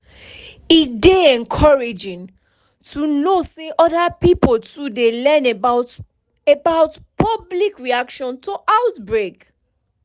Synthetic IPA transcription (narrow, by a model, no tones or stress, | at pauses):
ideɛ̃nkʰɔɹed͡ʒɪ̃n | tʰunoseʔɔdapipoltʰudelɛ̃n | ebaʊtpʰʌblikɹiakʃɔ̃ntʰoʔaʊtbɹek